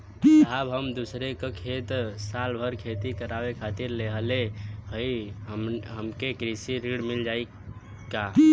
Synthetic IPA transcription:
abɦəmd̪usɾekekʰet̪salbʱəɾkʰet̪ikəɾawekʰat̪iɾleɦəlehəi | ɦəmkekɾisiɾiɽmild͡ʒai | ka

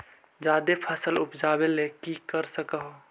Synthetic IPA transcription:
d͡ʒaːd̪epʰəsəlʊpd͡ʒaːbelekikəɾsəkəɦo

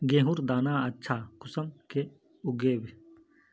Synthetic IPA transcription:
ɡẽːɦuɾd̪aːnaːɐtːʃʰaːkʊsɐmke | ʊɡeːbi

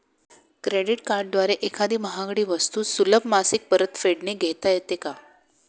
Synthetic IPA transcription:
kɾeɽiʈkaɾɖ̚d̪ʋaɾeʔekʰad̪iːməɦãɡɽiːʋəst̪uːsuləbmasik̚pəɾət̪feɽneɡʱet̪ajet̪eka

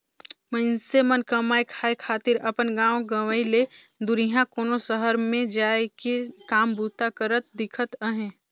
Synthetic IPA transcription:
mə̃nsemənkəmaːekʰaːekʰaːt̪ɪɾɐpənɡãːoɡəʋəile | d̪ʊɾiɦãkoːnosəɦəɾmẽd͡ʒaːekikaːmbʱuːt̪akəɾət̪̚d̪ɪkʰət̪əɦẽː

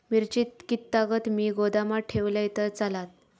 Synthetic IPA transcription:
miɾt͡ɕit̪kit̪ːaɡət̪miːɡod̪amaʈʰeʋləjt̪əɾt͡salat̪̚

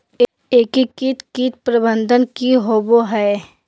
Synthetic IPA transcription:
eːkikit̪kiːt̪̚pɾəbə̃nd̪ʱənkiɦoːboɦɛː

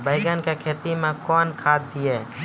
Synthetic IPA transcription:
bəɪɡənkekʰeːt̪imẽkɔːnkʰaːd̪̚d̪ijeː

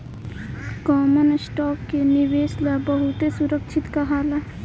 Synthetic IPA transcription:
kɔːmənsʈɔːkkenɪweːslabəɦʊt̪esʊɾəkt͡ʃʰɪt̪kəɦaːla

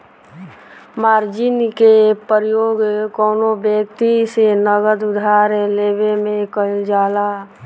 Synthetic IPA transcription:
maːɾd͡ʒɪnkepəɾjoːɡkoːnobjək̚t̪isenəɡəd̪ʊd̪ʱaːɾleːbemẽkəld͡ʒaːlaː

